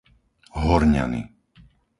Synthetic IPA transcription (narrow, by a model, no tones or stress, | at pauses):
ɦɔɾɲa̰nḭ